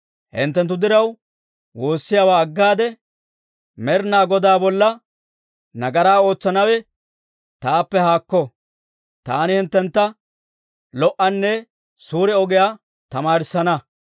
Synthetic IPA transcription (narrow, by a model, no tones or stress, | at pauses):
hɪ̰nt̪ːɛnt̪̬ːʊd̪ɪɾɐw | wo̞ːsːɪjaːwaːɐɡːaːd̪ɛ | mɛɾnaːɡɔd̪aːbɔlːɐ | nɐɡɐɾaːo̞ːt͡sːɐnɐwɛ | t̪aːpːɛhaːkːɔ | t̪aːnɪhɪnt̪ːɛnt̪ːɐ | lɔʔɐnːɛ | suːɾɛɔɡɛjaː | t̪ɐmaːɾɪsːɐnɐ